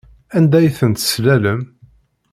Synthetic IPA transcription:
ænd̪æjθənt̪slæləm

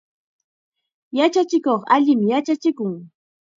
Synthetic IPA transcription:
jat͡ʃat͡ʃɪkoχa̰ʎɪmjat͡ʃat͡ʃɪkʊŋ

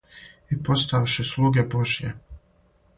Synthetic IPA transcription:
ipo̞st̪aʋʃeslˠuːɡʲeboʒjḛ

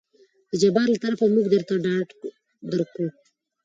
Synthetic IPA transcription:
d̪̥əd͡ʒabɑɾlat̪aɾafamuɡd̪əɾt̪aɖɑʈ | d̪əɾku

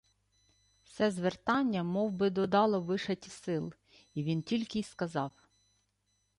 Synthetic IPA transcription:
wsɛzʋert̪ɑnʲːɐmɔwbɪd̪ɔd̪ɑlˠɔʋɪʃɐtʲisɪlˠ | iʋʲintʲilʲkɪskɐzɑw

